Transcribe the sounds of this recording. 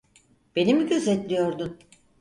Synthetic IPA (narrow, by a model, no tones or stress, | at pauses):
b̥e̞nimiɟø̞zɛt̪lʲijo̞ɾd̪un